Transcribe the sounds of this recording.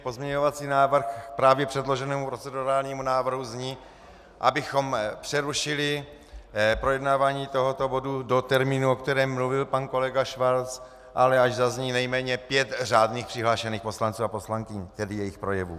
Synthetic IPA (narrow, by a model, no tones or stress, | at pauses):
po̞zmɲɛɲo̞vat͡siːnaːvr̩xpɾaːvjɛpr̥ɛdlo̞ʒɛnɛːmupɾo̞t͡sɛduɾaːlɲiːmunaːvr̩ɦuzɲiː | ʔabɪxo̞mpr̥ɛɾuʃɪlɪ | pɾo̞jɛdnaːvaːɲiːt̪o̞ɦo̞t̪o̞bo̞dudo̞t̪ɛɾmiːnuokt̪ɛɾɛːmːluvɪlpanko̞lɛɡaʃvalt͡s | ʔalɛaʒzazɲiːnɛjmɛːɲɛpjɛt̪raːdniːxpr̥ɪɦlaːʃɛniːxpo̞slant͡suːapo̞slaŋkɪɲt̪ɛdɪjɛjɪxpɾo̞jɛvṵː